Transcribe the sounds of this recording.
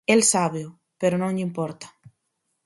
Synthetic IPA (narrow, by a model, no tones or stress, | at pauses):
elsaβeʊ | peɾonõŋʎimpɔɾt̪ḁ